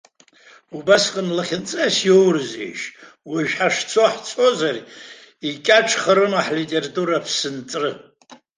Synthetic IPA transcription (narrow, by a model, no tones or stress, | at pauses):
ubasqʼənlaχʲɪnt͡sʼasjo̞wrɨzḛjʃ | wiʒᶣħaʂt͡sʰoħt͡sʰo̞zar | ikʲʼaʈ͡ʂʰχəɾɨmaħlitʼeratʼuɾapʰsɨnt͡sʼrɨ